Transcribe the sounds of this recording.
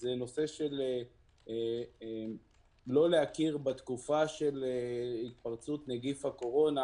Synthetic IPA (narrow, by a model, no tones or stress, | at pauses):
zeno̞se̞ʃele | lo̞leakiʁbat̪kufaʃeleit̪̚paʁt͡sut̪neɡifhako̞ʁo̞na